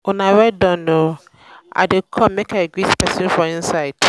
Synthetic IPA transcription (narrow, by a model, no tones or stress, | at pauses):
ʊnãɾɛdɔ̃nːo | a̰dɪkʰɔmmɛ̃kʰaɡɹispɛsĩnfɔĩnsaɪd